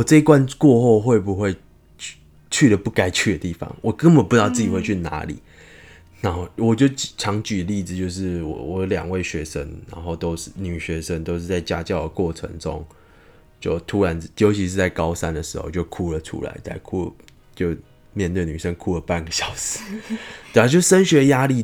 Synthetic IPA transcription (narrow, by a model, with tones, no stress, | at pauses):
wɔ˨˩ʈ͡ʂɤ˥˧i˧kwa˥˧nkwɔ˥˧xo˥˧ʊxwe˥˩ɪbu˨˦xwe˥˧ɪ˥ | t͡ɕʰy˥˩də˩pu˥˩ka˥ɪt͡ɕʰy˥˩d̪ə˩t̪i˥˩fɑ̰˨˦ŋwʔɔ˨˩kə˥˦ŋbə˨˩npu˧˥ɑ˥˧ʊt͡sɨ˥˩t͡ɕi˨xwe˥˧t͡ɕʰy˥˩na̰˧˥lḭ˨˦ | na˧˦no˥˧ʊwɔ˨˩t͡ɕjo˥˩ʊt͡ɕʈ͡ʂʰɑ˧˥ŋt͡ɕy˨˦li˥˩d͡zɹ̩˨˩t͡ɕjo˥˧ʊʂ̬ɻ̩˥˩wɔ̰˨˩wɔ˨˩˦ljɑ̰˨˩ŋwe˥˩ɪɕɥɛ˧˥ʂə̰˦nna̰˧˥nxo˥˩ʊt̪o˥ʊʂɻ̩˥˩ny˨˩ɕɥɛ˧˥ʂə˦nt̪o˥ʊʂ̩˥˧t͡sa˥˩ɪt͡ɕja˦˥t͡ɕjɑ˥˩ʊd̪ə˩kwɔ˥˩ʈ͡ʂʰə̰˧˥ŋʈ͡ʂo̰˦˥ŋ | t͡ɕjo˥˩ʊt̪ʰu˥ɻa˧˦njo˧ʊt͡ɕʰi˧ʂɻ̩˥˧t͡sa˥˩ɪkɑ˦˥ʊsa˦nd̪ə˨˩ʂɻ̩˧˥xo̰˥˧ʊt͡ɕjo˥˧ʊkʰu˥lə˨ʈ͡ʂʰṵ˥la̰˧˦ɪt͡sa̰˥˧ɪkʰu˥ | t͡ɕjo˥˧ʊ | mjɛ˥˧nt̪we˥˩ɪny˨˩ʂə˦nkʰu˥lə˨pa˥˩nɡə˨˩ɕjɑ˨˥ʊs̩˨˦t̪oe˥˧a˨˩t͡ɕjo˥˩ʊʂə˥nɕɥɛ˧˥˧ja˥li˥˨